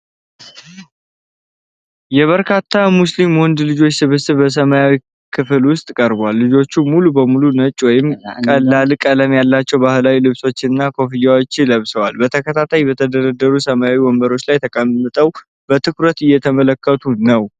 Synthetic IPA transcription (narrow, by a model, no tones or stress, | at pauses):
jɛβəɾkʰat̪ʰːamuslimhond̪lɨd͡ʒo̞t͡ʃːsɨβɨsɨbəs̬əmajawi | kʰɨflwʊst̪ʼkʼəɾbwalːɨd͡ʒo̞t͡ʃːumulubəmulunət͡ʃʼwɔjɪmkʼəlːalkʼələmjalːat͡ʃːɛwbahɨlawilɨβso̞t͡ʃːɪɨnːakʰo̞fijawot͡ʃːləβsəwalbət̪ʰəkʰət̪ʰat̪ʰajbət̪ʰəd̪əɾəd̪ːəɾusəmajawiwɔmbəɾo̞t͡ʃːlajt̪ʰəkʼəmːɨt̪ʼəw | bət̪ʰɨkɾət̪ɪjːɛt̪ʰəmələkːət̪ʰunəw